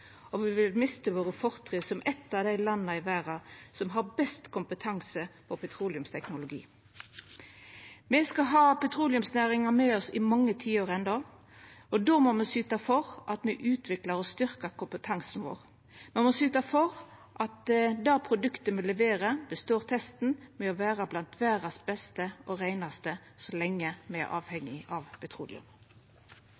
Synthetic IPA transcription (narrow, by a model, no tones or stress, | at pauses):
ɔʋɪʋɪlmɪst̪əʋoːʁəfɔʁt̪ʰʁisɔmʔɛt̪ːɑʋd̪æɪlɑnːəɪʋæːʁɑsɔmɦɑʁbɛst̪kʰʊmpət̪ʰɑŋsəpʰɔpʰɛt̪ʰɾuːlɪʉmst̪ʰɛknʊlʊɡḭː | mɛskɑɦɑːpʰɛt̪ʰʁuːlɪʉmsnæːʁɪŋɑmeːɔsɪmɑŋːət̪ʰiːoːʁɛnd̪ɑ | ɔd̪oːmɔmɛsyːt̪ɑfɔʁʔɑt̪mɛʔʉːt̪ʰʋɪkləʁɔst̪ʏʁkəʁkʊmpət̪ʰɑŋsn̩ʋo̰ːʁ | mɛmɔsyːt̪ɑfɔʁʔɑt̪d̪ɑːpʰʁʊd̪ʉkt̪əmɛlɛʋeːɾəbəst̪oːʁt̪ʰɛst̪n̩mɛɔʋæːʁɑblɑnt̪ʰʋæːʁɑsbɛst̪əʔɔʁæɪnɑst̪ə | sɔlɛŋːəmɛ̰ʔɑ̰ːʋhɛŋːɪɑʋpʰɛt̪ʰʁṵːlɪ̰ʉ̰m